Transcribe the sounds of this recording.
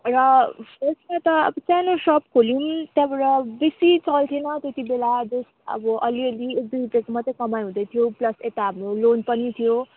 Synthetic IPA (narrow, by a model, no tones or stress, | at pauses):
rʌpʌsmat̪ʌ̰bt͡sanosʌpkʰolimt̪jãbʌɾʌbesit͡sʌlt̪ʰinʌt̪jet̪ibelad͡zos | ʌ̰bʌʔʌliʌliek̚d̪ujbekmʌt̪ʌkʌmajɦũd̪ʌjt̪ʰijoplʌset̪aɦʌmrolonpʌnit̪ʰijo